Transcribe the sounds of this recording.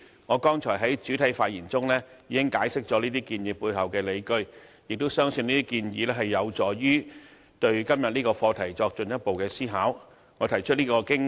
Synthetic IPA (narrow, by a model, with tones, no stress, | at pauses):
ŋɔː˨˧kɔː˥ŋt͡ʃʰɔː˨˩jɦɐ˨˥jt͡ʃyː˨˥t̪ʰɐ˨˥jfaː˧t̚jiː˨˩nt͡sʊ˥ŋlɛː˥ | jiː˨˧kɪ˥ŋkaː˨˥jsɪ˥k̚t͡ʃɔː˨˥liː˥t̪iː˥kiː˧nji˨˧pːuː˧jɦɐ˨wkɛː˧le˨˧jkɵ˧ɥjɪ˨k̚t̪o˥wsœː˥ŋsɵ˧niː˥t̪iː˥kiː˧njiː˨˧lɛː˥ɦɐ˨jːɐ˨˧wt͡sɔː˨˩jyː˥ | t̪ɵ˧ɥkɐ˥mjɐ˨t̚niː˥kɔː˧fɔː˧t̪ʰɐ˨˩jt͡sɔː˧k̚t͡ʃɵ˨njɐ˥t̚po˨wkɛː˧siː˥ɦaː˨˥w | ŋɔː˨˧t̪ʰɐ˨˩jt͡ʃʰt̚liː˥kɔː˧kɪ˥ŋ